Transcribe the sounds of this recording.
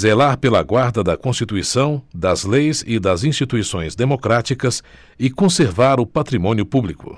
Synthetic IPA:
zelaɾpelɐɡwaɾd̪ɐd̪ɐkõst͡ʃit̪uisɐ̃w̃d̪ɐzlejzɪd̪ɐzĩst͡ʃit̪uisõj̃zd̪emokɾat͡ʃikɐs | ɪkõseɾvaɾʊpat̪ɾimõniʊpublikʊ̰

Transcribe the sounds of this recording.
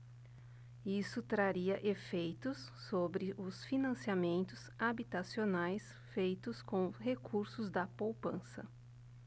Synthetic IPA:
isʊt̪ɾaɾiɐʔefejt̪ʊsːobɾɪʔʊsfinɐ̃siamẽnt̪ʊsabit̪asionajs | fejt̪ʊskõɦekʰuɾsʊzd̪ɐpowpɐ̃sɐ̰

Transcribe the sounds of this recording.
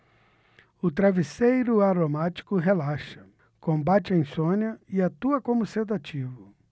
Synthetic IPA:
ʊt̪ɾavisejɾʊaɾomat͡ʃi̥kʊɦelaʃɐ̥ | kõmbat͡ʃɪẽj̃sõnɐɪat̪uɐkõmʊsewd̪at͡ʃivʊ

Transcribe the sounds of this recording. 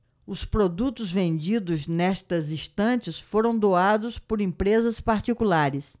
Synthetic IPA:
ʊspɾod̪ut̪ʊzvẽnd͡ʒid̪ʊznɛst̪ɐzĩst̪ɐ̃t͡ʃɪsfoɾɐ̃w̃d̪oad̪ʊspoɾẽpɾezɐspaɾt͡ʃikulaɾɪs

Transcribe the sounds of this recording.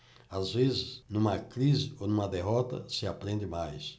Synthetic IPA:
azvezɪsnũmɐkɾizɪonũmɐd̪eɦɔt̪ɐ̰sɪapɾẽnd̪ɪmajs

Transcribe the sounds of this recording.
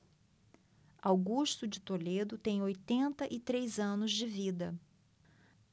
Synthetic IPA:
awɡuʃt̪ʊd͡ʒɪt̪oled̪ʊt̪ẽj̃ojt̪ẽnt̪ɐʔɪt̪ɾejzɐ̃nʊzd͡ʒɪvid̪ɐ

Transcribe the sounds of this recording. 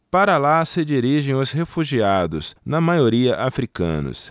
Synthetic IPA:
paɾɐlasɪd͡ʒiɾiʒẽj̃ʊshefuʒiad̪ʊsnɐmajoɾiɐʔafɾikɐ̰̃nʊ̰s

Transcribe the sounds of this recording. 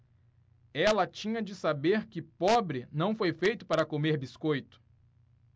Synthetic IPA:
ɛlɐt͡ʃĩɲɐd͡ʒɪsabeɾkɪpɔbɾɪnɐ̃w̃fojfejt̪ʊpaɾɐkomeɾbiskojt̪ʊ̥

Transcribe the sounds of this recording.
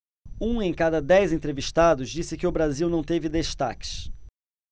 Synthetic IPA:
ũẽj̃kad̪ɐd̪ɛjzẽnt̪ɾeviʃt̪ad̪ʊzd͡ʒisɪkɪʊbɾaziwnɐ̃w̃t̪evɪd̪eʃt̪a̰kɪ̥ʃ

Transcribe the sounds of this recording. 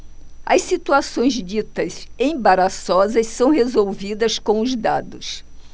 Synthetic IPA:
ɐ̰ssit̪uasõj̃zd͡ʒit̪ɐsẽj̃baɾasɔzɐssɐ̃w̃ɦezowvid̪ɐskõw̃ʊzd̪ad̪ʊs

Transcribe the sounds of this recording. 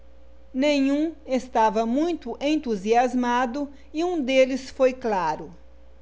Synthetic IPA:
nẽɲũest̪avɐmũj̃t̪ʊʔẽnt̪uziazmad̪ʊ | iũd̪elɪsfojklaɾʊ

